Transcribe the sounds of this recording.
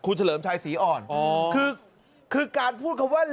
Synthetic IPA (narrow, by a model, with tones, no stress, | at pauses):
kʰuː˧nt͡ɕʰa˧ləː˩˦mt͡ɕʰaː˧jsiː˩˦ʔɔː˧˩nɔ˧˨kʰɯː˧ | kʰɯː˧kaː˧npʰuː˥˩t̪̚kʰa˧˦waː˥˩l